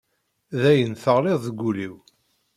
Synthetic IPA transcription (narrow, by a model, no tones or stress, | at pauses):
ðæjənθəʁleðˤðɡʷːuliw